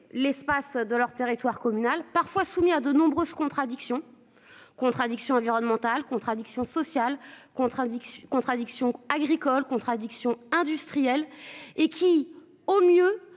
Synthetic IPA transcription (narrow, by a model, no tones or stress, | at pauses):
lɛspasd̪əlœʁt̪eʁit̪waʁkɔmynalpaʁfwasumiad̪ənɔ̃bʁøz̥kɔ̃t̪χad̪iksjɔ̃ | kɔ̃t̪χad̪iksjɔ̃ɑ̃viʁɔnmɑ̃t̪alkɔ̃t̪χad̪iksjɔ̃sɔsjalkɔ̃kɔ̃t̪χad̪iksjɔ̃aɡʁikɔlkɔ̃t̪χad̪iksjɔ̃ɛ̃d̪yst̪χijɛlekʲʰi | omjø